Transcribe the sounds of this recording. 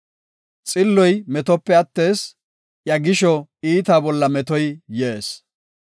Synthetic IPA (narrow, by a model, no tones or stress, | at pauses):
t͡sʼɪlːɔjmɛt̪ɔpːɛɐt̪ːe̞ːs | ʔjɐɡɪʃɔiːt̪aːbɔlːɐmɛt̪ɔjjeːs